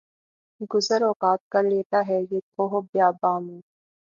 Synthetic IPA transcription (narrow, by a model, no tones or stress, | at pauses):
ɡʊzəɾɔːkaːt̪̚kɐɾleːt̪aɦɛjekoɦobjaːbaːmẽː